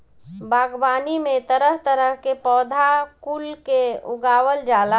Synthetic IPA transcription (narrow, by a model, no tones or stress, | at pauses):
bʱaːɡbaːnimẽt̪əɾəɦt̪əɾəɦkepɔːd̪ʱakulkeʊɡaːwəld͡ʒaːla